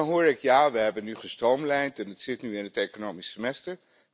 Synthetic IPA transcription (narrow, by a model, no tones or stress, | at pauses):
nɦʊːɹɪkjaːʋəɦɛbənːyχəstrowmlɛjntɛnətsɪtnyɪnɦətekonowmisːəmɛstəɹ